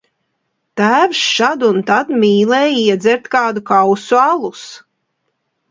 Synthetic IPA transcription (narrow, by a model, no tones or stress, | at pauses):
t̪æːvʃʃad̪unt̪ad̪mʲiːlˠɛːjiɛd̪zɛɾt̪kaːd̪ukawsualˠus